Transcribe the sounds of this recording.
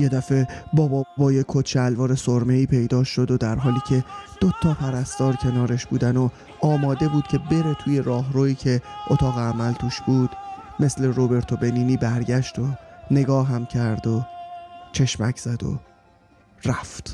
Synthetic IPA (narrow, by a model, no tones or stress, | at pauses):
je̞d̪æfe̞bɒːbɒbɒːjekʰot̪t͡ʃʰeælvɒːɾe̞soɾme̞iːpʰe̞jd̪ɒːʃo̞d̪od̪æɾɦɒːliːcʰe̞d̪̥ot̪ʰːɒːpʰæɾæst̪ɒːɾcʲʰe̞nɒːɾe̞ʃb̥uːd̪æno | ɒːmɒːd̪e̞buːd̪̥̚cʰe̞be̞ɾe̞t̪ʰuːje̞ɾɒːɦɾoːiːcʰe̞ʔot̪ʰɒːɣeæmælt̪ʰuːʃb̥uːd̪̥me̞sle̞ɾobe̞ɾt̪ʰobe̞niːniːbæɾɟæʃt̪one̞ɡɒːɦæmcʰæɾd̪o | t͡ʃʰe̞ʃmæcʰz̥æd̪o̰ | ɾæft̪